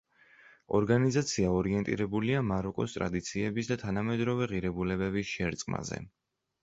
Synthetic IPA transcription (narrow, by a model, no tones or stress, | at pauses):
ɔɾɡanizat̪sʰiaɔɾiɛnt̪ʼḭɾɛbuliamaɾɔkʼɔst̪ʼɾa̰d̪it̪sʰiɛbisd̪at̪ʰanamɛd̪ɾɔvɛʁiɾɛbulɛbɛbisʃɛɾt̪sʼqʼma̰zɛ̰